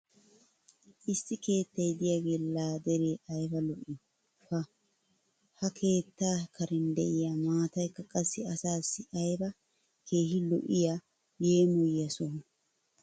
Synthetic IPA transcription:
ʔɪsːɪke̞ːt̪ːɐjd̪ɪjaɡeːlaːd̪ɛɾeːʔɐjbɐlɔʔɪ | fɐ | hɐkʰe̞ːt̪ːaːkʰɐɾɛnd̪ɛʔɪjaːmaːt̪ɐjkːɐkʼɐsːɪɐsaːsːɪʔɐjbɐ | kʰe̞ːɦɪlɔ̰ʔɪja | je̞ːmɔjːɐsɔn

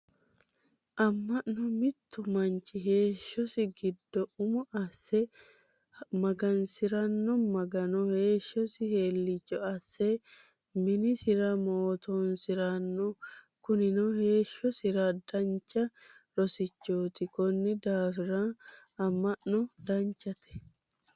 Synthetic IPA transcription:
ʔɐmːɐʔnɔmɪt̪ːʊmɐɲt͡ʃːɪɦe̞ːʃːɔsɪɡɪd̪ːɔʔʊmɔʔɐsːɛ | mɐɡɐnsɪɾɐnːɔmɐɡɐnɔhe̞ːʃːɔsɪhe̞ːlːɪt͡ʃːɔɐsːɛ | mɪnɪsɪɾɐmoːt̪onsɪɾɐnːɔ | kʊnɪnɔhe̞ːʃːɔsɪɾɐd̪ɐnt͡ʃːɐɾɔsɪt͡ʃːoːt̪ɪkɔnːɪd̪aːfɪɾa | ɐmɐʔnɔd̪ɐɲt͡ʃːɐt̪ɛ̥

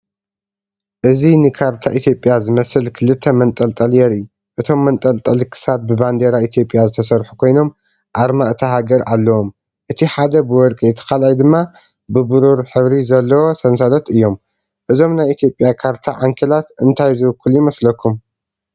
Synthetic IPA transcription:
ʔɨzinɨkʰaɾt̪ʰaʔit̪ʰjo̞pʼjazɨmɐsɨlkʰɨlɨt̪ʰːɐmɐnt̪ʼɐlt̪ʼɐljɛɾɨjːu | ʔɨt̪ʰo̞mːɐnt̪ʼɐlt̪ʼɐlkʰɨ̥sat̪̚bɨband̪eɾait̪ʰjo̞pʼːjazɨt̪ʰɐsɐɾħu̥kʰo̞jno̞m | ʔaɾmaʔɨt̪ʰaɦaɡɐɾʔalːɐwo̞m | ʔɨt̪ʰiħad̪ɐbɨwɔɾkʼijɛt̪ʰɐ̥kalajd̪ɨmːa | bɨbɨɾuɾħɨβɾizɐlːɐwosɐnsalɐt̪ɨjːo̞m | ʔɨzo̞mnajit̪ʰjo̞pʼjakʰaɾt̪ʰaʕaŋkʰɐlat̪ɨnt̪ʰajzɨβɨkʰːuljɪmɐslɐkʰːum

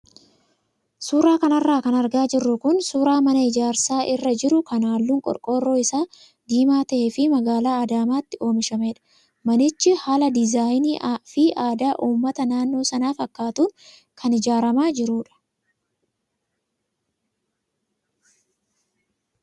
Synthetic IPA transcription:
suːɾaːkɐnɐrːaːkɐnɐɾɡaːd͡ʒɪrːʊkʊnsuːɾaːmɐnɐɪd͡ʒaːɾsaːʔɪrːɐd͡ʒɪɾʊkɐnaːlːuːŋkʼɔ̰ɾkʼo̞ːrːo̞ːɪsaː | d̪iːmaːt̪ɐʔeːfɪmɐɡaːlaːɐd̪aːmaːt̪ːɪo̞ːmɪʃɐmeːᶑɐ̥ | mɐnɪt͡ʃːɪhaːlɐd̪ɪzaːjnifiʔaːd̪aːʔuːmːɐt̪ɐnaːnːo̞ːsɐnaːfɐkːaːt̪uːn | kʰɐnɪd͡ʒaːɾɐmaːd͡ʒɪɾuːᶑɐ̥

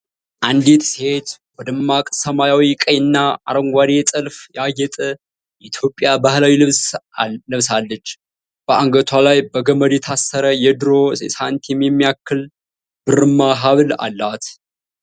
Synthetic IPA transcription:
ʔand̪et̪shet̪wɔd̪əmːakʼsəmajawikʼəjɨnːaaɾəŋɡʷad̪et̪ʼɨlfjajɛt̪ʼə | jɛʔit̪ʰjo̞pʼːjabahlawilɨβsnɨβsalːət͡ʃː | b̥əaŋɡət̪ʰwalajbəɡəməd̪jɛt̪ʰasːəɾəjɛd̪ɨɾo̞sant̪jɛmːjɛmːijakːɨl | b̥ɨɾɨmːaɦaβla̰lːat̪

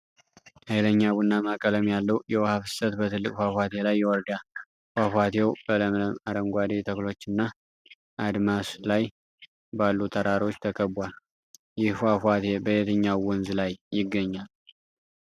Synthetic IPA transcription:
hajləɲːaβunːamakʼələmjalːəwjɛwhafɨ̥sət̪bət̪ʰɨlːɨkʼfafat̪ʰe̞lajːɛwɔɾd̪a | fafat̪ʰewb̥ələmləmaɾəŋɡʷad̪et̪ʰəklo̞t͡ʃːɨnːa | ʔad̪maslaj | balːut̪ʰəɾaɾo̞t͡ʃːt̪ʰəkʰʼəbual | jɪhfafat̪ʰe̞bəjet̪ʰəɲːawwɔnzlajːɪɡːəɲːal

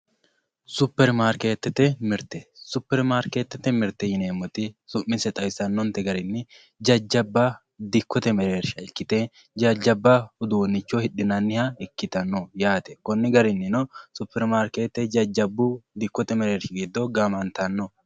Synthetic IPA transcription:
sʊpːɛɾmaːɾkeːt̪ːɛt̪ɛmɪɾt̪ɛsʊpːɛɾmaːɾkeːt̪ːɛt̪ːɛmɪɾt̪ːɛjɪneːmːɔt̪ɪsʊʔːɪsɛt̪ʼɐwɪsɐnːɔnt̪ɛɡɐɾɪnːɪ | d͡ʒɐd͡ʒːɐbːɐ | d̪ɪkːɔt̪ɛmɛɾeːɾʃɐɪkːɪt̪e | d͡ʒɐd͡ʒːɐbːɐhʊd̪unːɪt͡ʃːɔhɪɗɪnɐnːɪhɐɪkːɪt̪ɐnːɔjaːt̪ɛkɔnːɪɡɐɾɪnːɪnɔsʊpːɛɾmaːɾkeːt̪ːɛd͡ʒɐd͡ʒːɐbːʊd̪ɪkːɔt̪ɛmɛɾeːɾʃɪɡid̪ːɔɡɐmɐnt̪ɐnːɔ

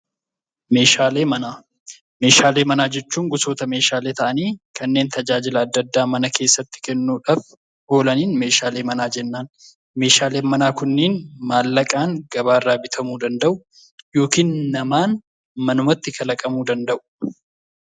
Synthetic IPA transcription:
me̞ːʃaːle̞ːmɐnaː | me̞ːʃaːle̞ːmɐnaːd͡ʒɛt͡ʃːuːŋɡʊso̞ːt̪ɐme̞ːʃaːle̞ːt̪ɐʔɐniːkɐnːeːnt̪ɐd͡ʒaːd͡ʒɪlɐːd̪ːɐd̪ːaːmɐnɐkʰe̞ːsːɐt̪ːɪ̥kɛnːuːᶑaːf | ho̞ːlɐniːnme̞ːʃaːle̞ːmɐnaːd͡ʒɛnːaːn | me̞ːʃaːle̞ːmɐnaːkʊnːeːnmaːlːɐkʼaːŋɡɐβaːɪrːaːbɪt̪ʰɐmuːd̪ɐnd̪ɐʔʊ | jo̞ːkiːnːɐmaːn | mɐnʊmɐt̪ːɪkʰɐlɐkʼɐmuːd̪ɐnd̪ɐʔʊ̥

